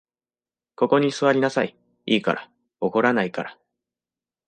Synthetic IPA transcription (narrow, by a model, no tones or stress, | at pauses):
ko̞ko̞ɲ̟isɨβaɾʲinasai | iːka̰ɾa | o̞ko̞ɾanaikaɾa